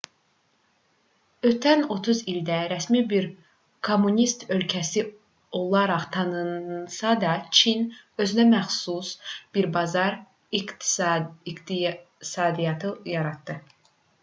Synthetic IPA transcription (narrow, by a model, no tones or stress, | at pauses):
ø̞t̪ʰæno̞t̪ʰuzild̪æɾæsmibiɾ | kʰo̞mːunʲist̪ø̞lcʰæsi | o̞lˠɑɾɑχt̪ʰɑnɯnsɑd̪ɑt͡ʃʰinø̞zynæmæχsusb̥iɾbɑzɑɾ | ik̪ | sɑːd̪ijɑt̪ʰɯjɑɾɑt̪ːɯ